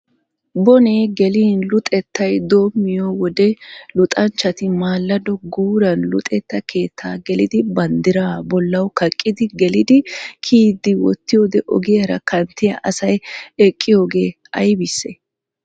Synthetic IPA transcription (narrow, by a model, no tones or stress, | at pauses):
bɔneːɡɛliːnlʊt̪ʼɛt̪ːɐjd̪o̞ːmːɪjowɔd̪ɛlʊt̪ʼɐnt͡ʃːɐt̪ɪmaːlːɐd̪ɔɡuːɾɐnlʊ̰t̪ʼɛt̪ːɐkʰe̞ːt̪ʰːaːɡɛlɪd̪ɪbɐnd̪ɪɾaːbɔlːɐwkɐkʼːɪd̪ɪɡɛlɪd̪ɪkʰiːd̪ɪwɔ̰t̪ːɪjoːd̪ɛʔɔ̰ɡɪjɐɾɐ̰kɐnt̪ːɪjɐʔɐsɐjɛkʼːɪjo̞ːɡe̞ː | ɐjbɪsːɛ